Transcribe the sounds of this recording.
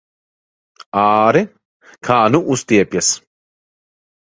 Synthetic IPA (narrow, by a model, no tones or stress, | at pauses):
aːɾɨ | kʰaːnuʔust̪iɛpʲjas